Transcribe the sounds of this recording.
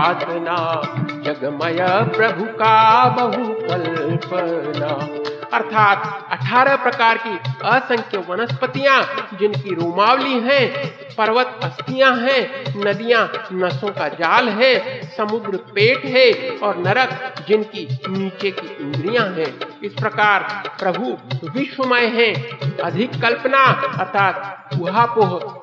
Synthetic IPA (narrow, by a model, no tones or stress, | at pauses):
t̪nad͡ʒɐɡməjəpɾɐbʱukabəɦukɐlpənaːɐɾt̪ʰaːt̪ɐʈʰaːɾəpɾɐkaːɾkiəsə̃ŋkʰjəʋɐnəspət̪ijãd͡ʒɪnkiɾoːmaːwliɦɛ̃ | pɐɾʋət̪ɐst̪ijãɦɛ̃nɐd̪ijãnɐsõkad͡ʒaːlɦɛ̃sɐmʊɡ̪ɾpeːʈɦɛ̃ɔːɾnɐɾəkd͡ʒɪnkiniːt͡ʃekiʔɪ̃nd̪ɾijãɦɛ̃ɪspɾəkaːɾpɾəbʱuʋɪʃwəməjɦɛ̃ɐd̪ʱɪkːəlpnaəɾt̪ʰaːt̪ʊɦapoɦʊt̪